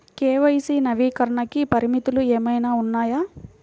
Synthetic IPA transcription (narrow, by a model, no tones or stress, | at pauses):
keːʋɐjisiːnɐʋiːkɐɾɐɳɐkipɐɾimit̪ulueːmɐjnaːunːaːjaː